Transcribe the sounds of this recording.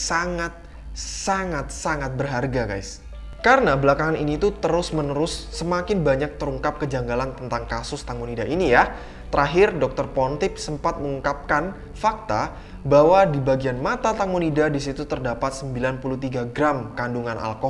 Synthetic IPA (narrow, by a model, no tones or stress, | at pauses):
saŋat̪̚ | saŋat̪̚saŋat̪̚bərɦarɡaɡajs | kaɾənabəlakaŋaninit̪ut̪əɾʊsmənəɾʊsːəmakɪnbaɲak̚t̪əɾuŋkap̚kəd͡ʒaŋɡalant̪ənt̪aŋkasʊst̪aŋonidaʔinija | t̪əɾʔaɦɪrdɔk̚t̪ɔrpɔnt̪ɪp̚səmpat̪̚məŋuŋkap̚kan | fak̚t̪a | bawadibaɡianmat̪at̪aŋonidadisit̪ut̪ərdapat̪̚səmbilanpuluht̪iɡaɡɾamkanduŋanʔa̰lkɔ